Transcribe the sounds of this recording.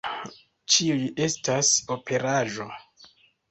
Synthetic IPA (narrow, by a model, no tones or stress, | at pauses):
t͡ʃiujiʔe̞staso̞pʰe̞ɾaʒo̞